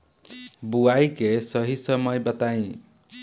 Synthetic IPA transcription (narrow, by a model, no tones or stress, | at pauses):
buajkesʌɦisʌmʌjbʌt̪aj̃